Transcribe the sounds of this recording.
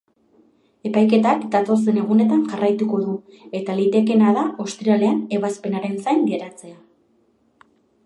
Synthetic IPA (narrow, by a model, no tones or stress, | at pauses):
e̞pajke̞t̪akd̪at̪o̞se̞ne̞ɣune̞t̪aŋʝarajt̪uko̞ðu | e̞t̪alit̪e̞ke̞naðaʔo̞st̪ɾiale̞ane̞βaspe̞naɾe̞nsajnɡeɾat͡se̞a